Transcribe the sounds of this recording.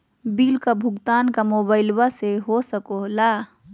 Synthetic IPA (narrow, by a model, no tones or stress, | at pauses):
biːlkabʱʊɡt̪aːnkamoːbaːɪlbaseɦosəkolaː